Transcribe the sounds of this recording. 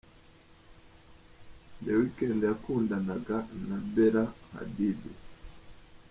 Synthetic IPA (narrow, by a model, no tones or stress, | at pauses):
ndɛwikɛndakundanaɡanabɛɾaha̰didṵ